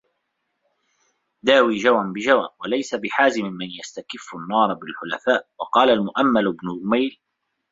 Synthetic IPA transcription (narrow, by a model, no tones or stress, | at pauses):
d̪aːwiːd͡ʒawʔanbɪd͡ʒawnwalajsabɪħaːzɪmɪmːanjast̪akɪfːʊnːɑːɾˤbɪlħʊla̰faːʔwɑqɑːlalmʊʔamːalbnʊd͡ʒʊmajl